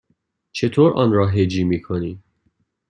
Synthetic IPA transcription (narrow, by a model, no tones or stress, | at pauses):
t͡ʃʰet̪ʰoːɾɒ̰ːnɾɒːɦed͡ʒiːmiːkʰoniː